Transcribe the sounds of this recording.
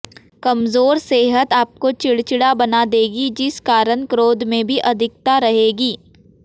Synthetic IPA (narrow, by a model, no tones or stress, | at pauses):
kɐmzoːɾseːɦət̪aːp̚kot͡ʃɪɽt͡ʃɪɽabɐnad̪eːɡid͡ʒɪskaːɾənkɾoːd̪ʱmẽbʱiʔɐd̪ʱɪk̚t̪aɾɐɦeːɡiː